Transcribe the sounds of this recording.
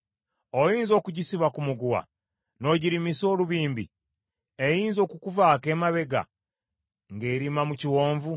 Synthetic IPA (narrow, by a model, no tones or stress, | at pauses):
ojiːnzo̞ːkuɟisiβakumuɡuwa̰ | no̞ɟiɾimiso̞ːluβiːmbi | ejiːnzo̞ːkukuvaːke̞ːmaβe̞ɡa̰ | ŋɡe̞ːɾimamuciwo̞ːɱvu